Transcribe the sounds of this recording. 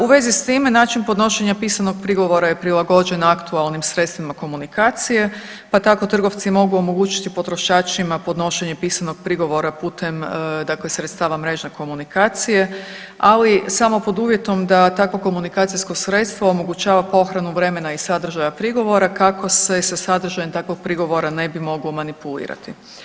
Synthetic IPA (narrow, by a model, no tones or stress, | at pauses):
uʋe̞zist̪iːmenaːt͡ʃinpod̪no̞ʃe̞ɲapiːsano̞ɡ̥̚pɾiɡo̞ʋo̞ɾajepɾilˠaɡo̞d͡ʑe̞nakt̪ualˠnimsɾet̪st̪ʋimako̞munikaːt̪sije̞ | pat̪ako̞t̪r̩ɡo̞ʋt̪simo̞ɡuo̞mo̞ɡuːt͡ʃi̥t̪ipo̞t̪ɾo̞ʃaːt͡ʃimapo̞d̪no̞ʃe̞ɲepiːsano̞ɡ̥̚pɾiɡo̞ʋo̞ɾapuːt̪ʰemd̪aklesɾet̪st̪aːʋamɾe̞ːʒneko̞munikaːt̪sije̞ | alisamo̞po̞d̪uːʋje̞t̪o̞md̪at̪akʋoko̞munikaːt̪sijsko̞sɾe̞t̪st̪ʋoomo̞ɡut͡ɕaːʋapo̞xɾanuʋɾe̞me̞naisad̪r̩ʒajapɾiɡo̞ʋo̞ɾakakʰo̞se̞sasad̪r̩ʒajemt̪akʋoɡ̥̚pɾiɡo̞ʋo̞ɾane̞bimo̞ɡlomanipulḭːɾa̰t̪i